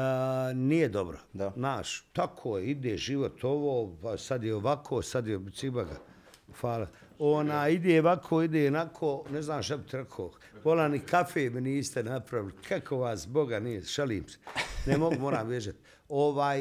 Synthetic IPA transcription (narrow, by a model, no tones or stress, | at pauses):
nijed̪o̞bɾo̰znaːʃt̪akʰoːjeid̪eːʒiʋot̪ʰoʋoːpasad̪jeoʋakʰoːsad̪jeb̪sibaɡa̰ | faːla | onaːjid̪eːʋakʰoid̪eːonakʰoːneznaːmʃ̬t̪abit̪iɾekʰoː | ʋolanikafeːminiːst̪enapɾaʋilikʰakʰoʋaːszboɡanijeʒaliːmse̥nemo̞ɡumoːɾaːmʋjeʒat̪ | oʋaːj